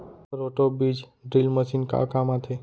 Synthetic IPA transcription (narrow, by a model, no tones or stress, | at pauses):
ɾoʈobid͡ʒ | ɖɾilməʃinka̰kamãt̪ʰe